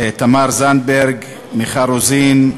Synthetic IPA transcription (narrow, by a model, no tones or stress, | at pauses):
t̪amaɾzanbeɾɡ | miχaɾozin